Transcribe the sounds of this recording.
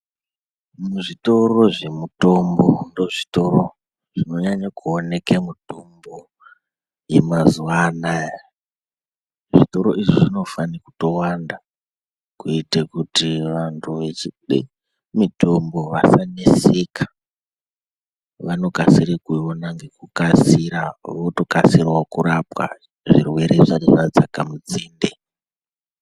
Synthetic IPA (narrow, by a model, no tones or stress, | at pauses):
muʐito̞ro̞ʐe̞muto̞mbo̞ndo̞ʐito̞ɾo | ʐ̥ino̞ɲaɲakuone̞kemuto̞mbo̞ | jemazuana | ʐitoɾo̞ʔiʐiʐino̞faniku̥to̞wanda | kuitekutiʋantʰuʋe̞t͡ʃiɗḭ | mito̞mbo̞ʋasanese̞kʰḁ | ʋano̞kasiɾekuonaŋɡe̞kukasiɾaʋoto̞kasirwakuɾapwa̰ | ʐirwe̞ɾeʐaninad͡zakamud͡ziːnde